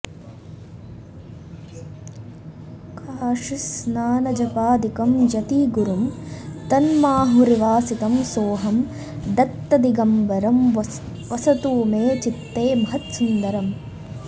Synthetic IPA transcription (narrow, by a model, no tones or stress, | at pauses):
kʰaːʂisnaːnɐd͡ʒɐpaːd̪ikɐmd͡ʒɐt̪iːɡuɾumt̪ɐnmaːɦuɾiʋaːsit̪ɐmsoːɦɐm | d̪ɐt̪ːɐd̪iɡɐmʋɐɾɐm | ʋɐsɐt̪uːmeːt͡ʃit̪ːeːmɐɦɐt̪sund̪ɐɾɐm